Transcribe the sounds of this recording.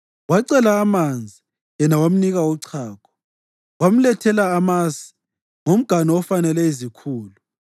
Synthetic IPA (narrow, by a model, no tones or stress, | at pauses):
waǀɛlaːmand͡zʱi | ɛnawam̩niɣauǀʰaːkʰɔ̥ | wam̩lɛtʰɛlaːmasi̥ | ŋom̩ɡ̥ʱanɔɔfanɛlɛizikʰuːlu